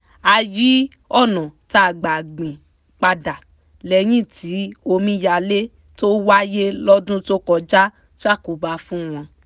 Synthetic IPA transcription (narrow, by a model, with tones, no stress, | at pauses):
a˧ji˦ | ɔ˦˨nɔ̃˨ta˦˨ɡ͡ba˨ɡ͡bĩ˨ | k͡pa˧da˨ | lɛ˨˧j̃ĩ˦˨ti˨˦o˧mĩ˧˦ja˧le˦ | to˦wa˦je˦lɔ˦dũ˦to˦kɔ˧d͡ʒa˦ | ʃa˦˨ko˨ba˧fũ˦w̃ɔ̃˧